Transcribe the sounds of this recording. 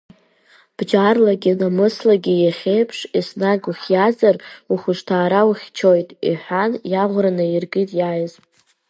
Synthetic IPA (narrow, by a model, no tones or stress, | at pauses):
b̥d͡ʒarlaɡʲinamɨslaɡʲijaχʲejpʰʂisnaɡuχʲjazaruχʷʊʂtʰaːɾawuχʲt͡ʃʰo̞jtʼḭħʷᶣanjaʁʷranɨirɡɨtʼjajzpʼ